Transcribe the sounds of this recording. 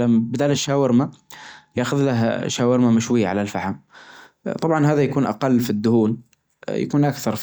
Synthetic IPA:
lambɪd̪aːlɪʃaːwɪɾmajaːʔːxʊðlaɦʃaːwɪɾmamɪʃwɪjːaʕalalfaħam | t̪ˤɑbʕɑnɦaːðajakuːnʔa̰qɑlːfid̪ːʊhuːn | ja̰kuːnʔakθɑɾˤf

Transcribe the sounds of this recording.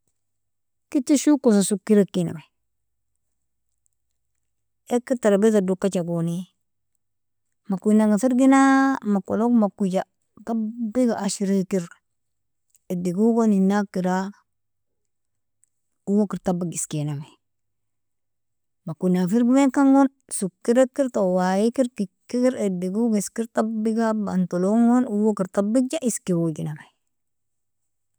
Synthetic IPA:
kitiʃukosasukiɾekina̰me | ekiɾtaɾabezadukːat͡ʃaɡoni | makunaɡasiɾɡinamako̰lokmakud͡ʒa | kabiɡaʔaʃiɾikiɾ | idiɡuɡoninakːiɾa | uwokiɾtabiɡiskenamaj | makunafiɾɡimekaŋɡon | sukːiɾekiɾtowajikiɾkikːikiɾediɡuɡiskiɾtabiɡaba̰ntoloŋonuwokiɾtabid͡ʒaʔiskiwoɡinamaj

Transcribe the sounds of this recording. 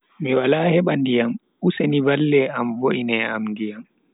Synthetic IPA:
miwalaːhɛɓandijam | usenivalːɛamvoʔinɛamndijam

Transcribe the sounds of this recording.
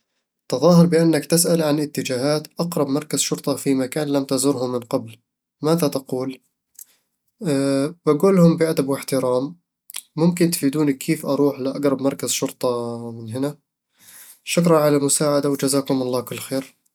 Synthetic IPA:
t̪ɑðˤɑːɦɑɾˤbɪʔanːakt̪ɪsʔalʕanɪt̪ːɪd͡ʒaːhaːt̪ʔɑqɾˤɑbmɑɾˤkaz̥ʃʊɾˤt̪ˤɑfimakaːnlamt̪azʊɾhʊmːɪnqɑbl | maːðat̪aquːl | baɡuːlhʊmbɪʔad̪abwɪħt̪ɪɾɑːmː | ʊmkɪnt̪fiːd̪uːnkʰːiːfʔɑɾˤuːħlɪʔaɡɾˤɑbmɑɾˤkazʃʊɾt̪ˤɑmɪnɦɪna | ʃʊkɾˤɑʕalamʊsaːʕad̪awɪd͡ʒazaːkhʊmɑlˤːɑːkʊlːxeːɾ

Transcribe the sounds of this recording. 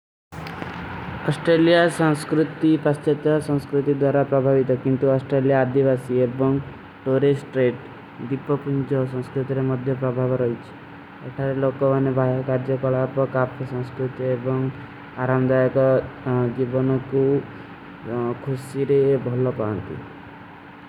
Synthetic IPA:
ɔsʈɾelijasɔ̃ŋskɾut̪ipast͡ʃet̪jɔsɔ̃ŋskɾut̪id̪waɾapɾɔbʱaʋit̪ɔkint̪uɔsʈɾelijaːd̪iʋasiebɔŋ | ʈoɾesʈɾeʈ | d̪ipːɔpuɲd͡ʒɔsɔ̃ŋskɾut̪iɾemɔd̪ʱjɔpɾɔbʱabɾɔit͡ʃʰi̥ | eʈʰaɾelokɔanebʱajɔkaɾd͡ʒɔkɔɭapɔkapʰɔsɔ̃ŋskɾut̪jebɔŋ | aɾamd̪ajɔkɔd͡ʒibɔnɔku | kʰusiɾebʱɔlɔpaɔnt̪ḭ

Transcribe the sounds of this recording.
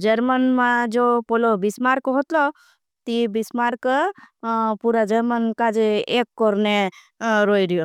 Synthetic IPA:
d͡ʒəɾmənmãd͡ʒopolobismaɾkɦot̪lɔ | t̪ibismaɾk | puɾad͡ʒəɾmənkad͡ʒeekːɔɾne | ɾoiɾijo

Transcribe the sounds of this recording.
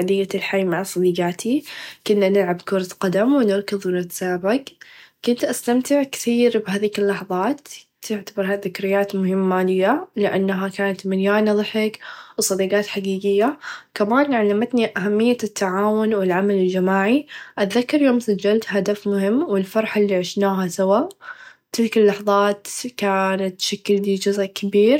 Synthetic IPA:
ad̪ɪjːalħajːmaʕsˤɑd̪iːɡaːt̪ʰikʊnːanɪlʕabkʊɾˤɑt̪qɑd̪amwɪnɪɾˤkɨðˤwɪnɪt̪ḁsaːbakkʊnt̪ʔast̪amt̪ɪʕkθiːɾbhaːðiːkɪlːɑħðˤɑːt̪ | t̪ɪʕt̪abɑɾˤɦaðɪkɾɪjːaːt̪mʊɦɪmːaːlɪjːalɪʔanːɦakaːnat̪mɪnjaːnɑðˤħɪkwsˤɑd̪iːɡɑːt̪ħaɡiːɡɪjːakamaːnʕalːamat̪niʔaɦamːɪjːat̪ːaʕaːwʊnwɪlʕamalɪld͡ʒamaːʕiʔat̪ðakːɑɾjoːmsad͡ʒːalt̪had̪afmʊɦɪmːwɪlfɑɾˤħɪlːiːʕɪʃnaːɦasawaːʔt̪ɪlkɪlːɑħðˤɑːt̪kaːnat̪ːʃakːɪld̪id͡ʒʊzʔkʰɪbiːɾ

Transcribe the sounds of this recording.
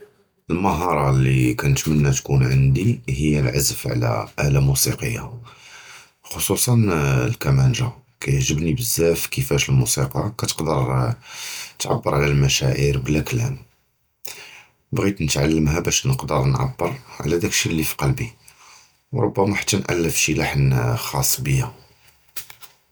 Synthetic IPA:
əlməɦɑɾˤɑlːḭkænət̪mənːæt̪kunʕənd̪iɦəjːælʕazfʕlæ̰ʔælæmusḭqəjːa̰ | xosˤusˤɑnlkæmænʒakæjəʕʒəbnibəzːæfkəfæʃəlmusiqɑkæt̪ə̥qd̪əɾ | t̪ʕa̰bːəɾˤʕlælmæʃæʕiɾblæklæm | bɣit̪nət̪ʕalːəmɦæbæʃnəqd̪əɾnʕa̰bːəɾʕ̰læd̪ækʃːilːifi̥qɑlbi | wɾˤo̰bːæmæħḁt̪ːænʔa̰lːəfʃilaħnxɑsˤːbəjːæ

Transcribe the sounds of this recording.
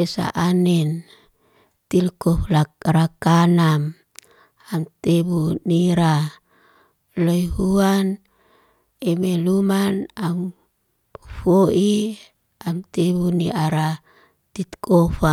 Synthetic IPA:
esa̰ʔanɛn | t̪ilkɔflaɾakanam | amt̪ebuniɾa | loiɦuan | emelumanam | foʔi | amt̪eβuniʔaɾa | t̪it̪kʰofa

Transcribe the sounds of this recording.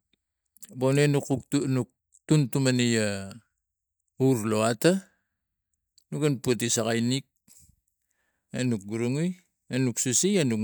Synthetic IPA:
bonenukunuk̚ | tuntumanija | uɾloata | nukanpuat̬isakajnik̚ | enuk̚ɡuɾuŋuj | enuksusianuk

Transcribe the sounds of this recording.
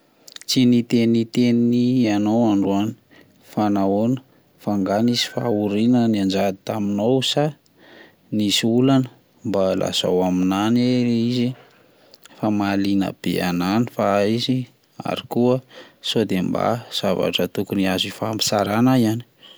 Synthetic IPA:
t͡sinit̪enit̪enianowaɳɖ͡ʐuani̥ | fanaonə̥ | faŋɡanizi̥fauɾinəniand͡ʒad̪it̪aminowusa | nisiulanə | mbalʔa̰z̥a̰waminaneizi | famalinə̰b̥ḛa̰nanifaizi | a̰ɾikuəsod̪emba̰z̥ava̰ʈ͡ʂət̪ukuniazifampi̥saɾanaiani̥

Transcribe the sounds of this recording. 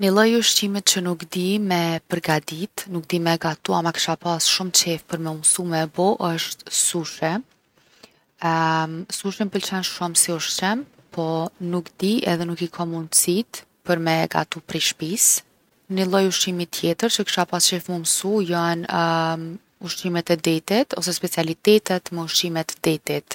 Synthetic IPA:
nilˠɔjuʃtimit̪̚t͡ʃənukd̪imɛpəɾɡad̪it̪nuk̚d̪imɛɡat̪uamakə̥ʃapasʃumt͡ʃɛfpəɾmɛumsumɛbɔʔəʃt̪suʃɛ | suʃɛmpəlt͡ʃɛnʃumsiuʃt͡ʃɛm | pʰɔnukd̪iɛ̰ðɛnukikʰɔmunt͡sit̪ | pəɾmɛɡa̰t̪upɾiʃpis | nilˠɔjuʃimit̪ʰːjɛt̪əɾt͡ʃəki̥ʃapast͡ʃɛfmumsujɔn | uʃimɛt̪ɛd̪ɛt̪it̪ɔsɛspɛt͡sialit̪ɛt̪ɛt̪mɛuʃimɛt̪d̪ɛt̪it̪

